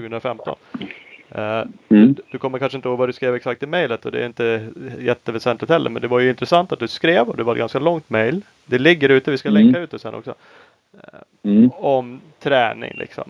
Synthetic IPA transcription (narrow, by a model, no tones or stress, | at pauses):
ʉɡəhɵnɾafɛmt̪ɔ̰n | d̪̥ɵkʰɔmːəɾkʰanʂəɪnt̪əhoːɡvad̪ɵskɾeːvɛksak̚t̪ɪmɛjlət̪ɔd̪ɛ̰æɾɪnt̪əjɛt̪ːəvɛsɛnt̪lɪt̪hɛlːə̰mɛnd̪ɛvaɾjɵɪnt̪ɾɛsant̪at̪̚d̪ɵskɾeːvɔd̪ɛvaɾɛt̪̚ɡanskalɔŋt̪mɛjl | d̪ɛlɪɡːəɾʉ̟ːt̪əvɪskalɛŋkːaʉːt̪̚ɛsɛnɔ̰ksɔ̰ | ɔmt̪ʰɾɛːnɪ̰ŋlɪ̰ksɔ̰m